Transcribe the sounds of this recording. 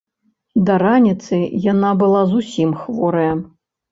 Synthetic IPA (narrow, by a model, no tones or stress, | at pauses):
d̪ɐɾanʲit̪sɨjanabɨlˠazusʲimxvɔɾɐjɐ